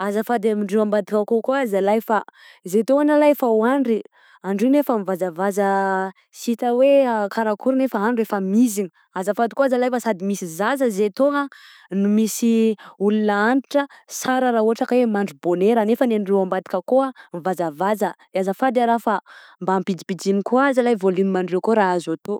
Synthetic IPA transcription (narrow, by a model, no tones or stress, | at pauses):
azəfad̪amiɳɖ͡ʐewambad̪ikəkokoazalajfa | zet̪oŋanalajfawaɳɖ͡ʐi | aɳɖ͡ʐinefəmivazavazə | sit̪əwekʰaɾakuɾinefaaɳɖ͡ʐefəmiziɲi | azəfad̪ikoazalajfəsad̪imisizazəzet̪oŋə | numisiulunaaniʈ͡ʂəsaɾəɾauaʈ͡ʂakwemaɳɖ͡ʐuboneɾanefənenrewambat̪i̥kʲəkoamivazavazə | azəfad̪aɾafa | mbampid͡zibid͡ʒinikuazalajvolinmaɳɖ͡ʐekoɾaazat̪o